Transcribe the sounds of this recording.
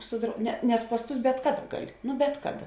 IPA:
sʊ drɐʊ nʲɛ nʲɛs pɐs ˈtʊs bʲɛt ˈkɑːˌdɐ ˈɡɑːˌlʲɪ ˈnʊ ˈbʲɛt kɐˌdɐ

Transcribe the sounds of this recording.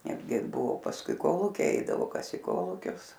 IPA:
ˈnʲæːdʲɡʲɪ ˈbʊʋoː pɐsˈkʊɪ ˈkoːlˠuːkʲɛɪ ˈɛɪdɐʋoː ˈkɐs iː ˈkoːlˠuːkʲʊs

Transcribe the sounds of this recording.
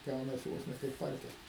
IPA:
ˈɡɐʊnɐsʲɪ ˈʋoːs nʲɛ kɐɪp ˈpɐrʲkʲɛlˠ

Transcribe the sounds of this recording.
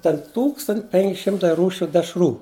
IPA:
tʲɛn ˈtuːkstɐnʲtʲ pʲɛŋʲkʲ ˈʃʲɪmtɐɪ ˈruːʃʲʊ dʲɛʃˈruː

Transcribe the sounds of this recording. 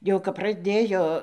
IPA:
jɛʊ kɐp prɐˈdʲeːjoː

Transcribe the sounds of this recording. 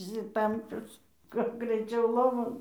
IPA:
ɪʃʲsʲɪˈtɐmʲpʲʊs kɐt ɡrʲɛɪˈt͡ʃʲɛʊ ˈlˠoːʋoːn

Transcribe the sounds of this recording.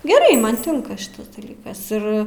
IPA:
ɡʲɛˈrɐɪ ˈmɐn ˈtʲɪŋkɐ ˈʃʲɪtɐs dɐˈlʲiːkɐs ˈɪr

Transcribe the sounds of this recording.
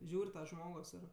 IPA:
ˈʒʲuːrʲ ˈʒmoːɡoːs ɪr

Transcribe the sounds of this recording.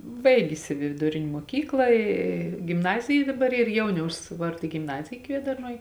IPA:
ˈbɐɪɡʲɪs ɪ ʋʲɪdʊˈrʲɪnʲ muɔˈkʲiːklˠɐ ˈiː ɡʲɪmˈnɑːzʲɪjɛ dɐˈbɐr ˈiːr ˈjɛʊnʲɛʊs ˈʋɐrdɐ ɡʲɪmˈnɑːzʲɪjɛ ˈkʋʲiɛdɐrnuɔj

